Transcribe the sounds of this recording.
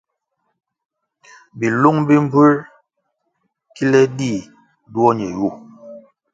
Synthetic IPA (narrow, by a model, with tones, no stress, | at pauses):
bi˨lu˦ŋbi˦m̩˦bu˦ɾ | ki˦lɛ˦di˦˨ | du˦ɔ˦ɲɛ˨ju˦˨